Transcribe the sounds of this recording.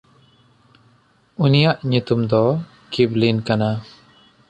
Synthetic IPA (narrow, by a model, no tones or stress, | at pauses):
unijaʔɲut̪umd̪ɔ | kiblinkana